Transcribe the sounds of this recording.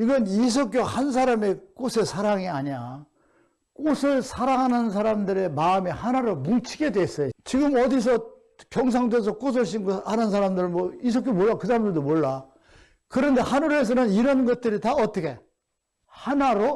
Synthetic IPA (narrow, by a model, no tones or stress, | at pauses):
iɡʌnis̬ʰʌk͈johans̬ʰaɾame̞k͈osʰe̞sʰaɾaŋiaɲia | k͈osʰɯɭsʰaɾaŋɦanɯnns̬ʰaɾamdɯɾe̞maɯmehanaɾomuŋt͡ɕʰiɡe̞dwes͈ʌjot͡ɕiɡɯmʌdis̬ʰʌ | kjʌŋs̬ʰaŋdes̬ʰʌk͈os̬ʰʌɭɕ̬ʰinɡʌhanɯnsʰaɾamdɯɾɯnmwʌis̬ʰʌk̬͈jomoɭːakɯsʰaɾamdɯɭdomwoɭːa | kɯɾʌnde̞hanuɾes̬ʰʌnɯniɾʌnɡʌt̚t͈ɯɾitaʌt͈ʌkʰe̞ | hanaɾo